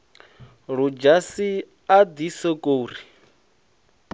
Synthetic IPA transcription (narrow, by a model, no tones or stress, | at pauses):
ɺud͡ʒasi | ad̪isɔkʼoːri